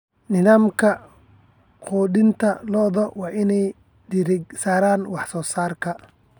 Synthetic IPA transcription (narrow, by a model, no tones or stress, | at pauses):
nɪðaːmkʰɐ | qɔːdɪnt̪ʰɐlɔːðɔwɑːʔɪnɛj | ɖɪɾɪɡsaːɾaːnwɑħsɔːsaːrkʰɐ